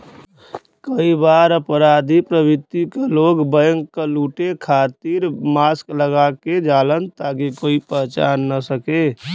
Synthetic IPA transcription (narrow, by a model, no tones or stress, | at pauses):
kəibaːɾəpɾaːd̪ʱipɾəbɪt̪ːikeloːɡbəjəŋkəluːʈekʰaːt̪iɾmaːskləɡaked͡ʒaːlənt̪akikoːipəɦt͡ʃaːnːəsəke